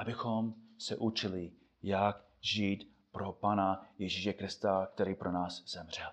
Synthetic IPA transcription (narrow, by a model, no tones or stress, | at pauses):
ʔabɪxomsɛʔut͡ʃɪlɪ | jak | ʒiːt̪ | pɾopaːnajɛʒiʃɛkɾɪst̪ak̚t̪ɛɾiːpɾʔonaːsz̥ɛmr̝̥ɛl